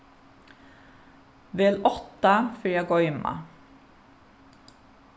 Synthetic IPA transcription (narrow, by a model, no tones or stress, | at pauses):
ʋeːlʔɔt̪ɑfœjæɡɔʏmɑ̰